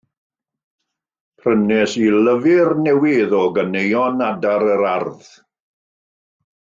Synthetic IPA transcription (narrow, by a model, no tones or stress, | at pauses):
pʰrənɛsiləvɪrnɛwɪðɔɡənejɔnadaɾəɾarð